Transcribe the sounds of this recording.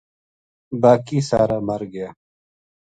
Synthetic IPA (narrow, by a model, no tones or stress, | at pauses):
baːkiːsaːɾaːməɾɡɪjaː